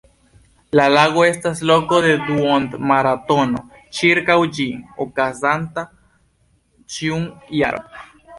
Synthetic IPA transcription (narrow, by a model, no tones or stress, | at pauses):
lalaɡo̞e̞staslo̞ko̞de̞d̪uond̪maɾat̪o̞no̞̰ | t͡ʃiɾkawd͡ʒiokazanta | t͡ʃiuŋjaɾo̰